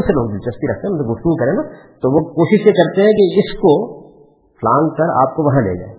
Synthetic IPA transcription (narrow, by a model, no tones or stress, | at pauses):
seloːd̪it͡ʃɐst̪iɾɐkʰt̪eɦɛ̃mseɡʊft̪uːkɐɾẽna | t̪oʋokoːʃɪʃjekɐɾt̪eɦɛ̃kiɪsko | flãːŋɡkɐɾa̰ːp̚koʋɐɦãlḛːd͡ʒa̰ːe